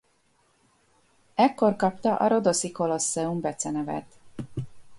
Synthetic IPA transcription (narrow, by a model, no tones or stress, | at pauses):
ɛkːo̞rkɒpt̪ɒʔɒɾo̞d̪o̞siko̞lo̞sːɛumbɛt̪sɛnɛvɛ̰t̪